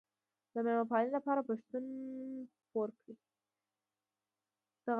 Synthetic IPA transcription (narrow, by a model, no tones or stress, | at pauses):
d̪əmemapɑnlapɑɾapəʃt̪un | poɾkɽi | d̪̥aɣ